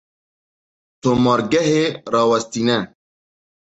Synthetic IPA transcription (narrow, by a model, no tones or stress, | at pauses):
t̪omɔɾɡɐɦeɾaːwɐst̪ina